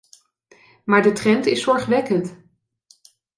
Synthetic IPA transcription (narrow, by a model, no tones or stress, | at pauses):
maːɹdətrɛntɪsɔɹχʋɛkənt